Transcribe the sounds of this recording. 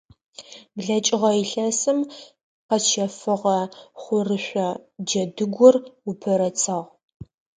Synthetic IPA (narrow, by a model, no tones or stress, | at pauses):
bɮɐt͡ʃʼɪʁɐiɬɐsɨm | qɐʃʰɐfɨʁɐχʷʊrɨɕʷɔd͡ʒɐdɨɡʷɔrʊpʰɐɾɐt͡sʰɐʁ